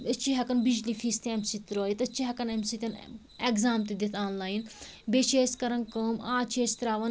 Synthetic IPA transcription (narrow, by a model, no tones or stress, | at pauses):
ət͡ʃʰiɦɐkɐnbid͡ʒlifʰiːst̪iɛmsit̪ɾoːjit̪ɐt͡ʃʰiɦɐkɐnemsit̪ʲɐn | eɡzaːmt̪id̪it̪ʰaːnlaːinbeːt͡ʃeːskɐɾɐnkoːmaːt͡ʃʰeːst̪ɾaːʋɐn